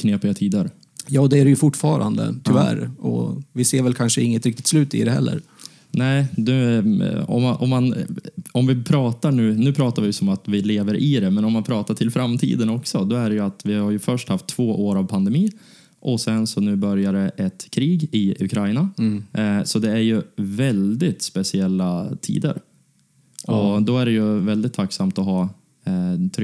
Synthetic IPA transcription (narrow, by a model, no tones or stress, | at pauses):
kʰneːpɪɡat̪ʰiːd̪əɾ | jɑːd̪ɛæɾɛjɵfʊʈːfɑ̰ːɾa̰nd̪ə̰t̪ʰʏvæ̰ɾɔ̰vɪseːɾvɛlkʰanʂəɪŋːət̪ɾɪk̚t̪ɪ̥t̪slʉːt̪ɪ̰d̪ɛhɛ̰lːə̰ɾ | nɛɪd̪ʉ̟ːɔ̰mːaʔɔmːanɔmvɪpʰɾɑːt̪aɳʉ̟ːnʉ̟ːpʰɾɑːt̪aɾvɪjsɔmat̪vɪleːvəɾʔɪd̪ɛmɛnɔmːanpʰɾɑːt̪aʈʰɪlfɾamːt̪ʰḭːd̪ənɔksɔd̪ɔæɖɛjɵat̪vɪhaɾjɵfœʂʈhaft̪ʰːv̥oːʔoːɾavpʰand̪ɛmiː | ʔɔsɛnsɔnʉ̟ːbœɾjaɾəʔɛt̪kʰɾiːɡɪʉ̰kʰɾaɪna | sɔd̪ɛæɾjɵvɛld̪ɪt̪spɛsɪɛlːat̪ʰḭːd̪ə̰ɾ | ɔd̪ɔæɖɛjɵvɛld̪ɪt̪ʰːakːsamt̪ɔɦɑː | t̪ʰɾ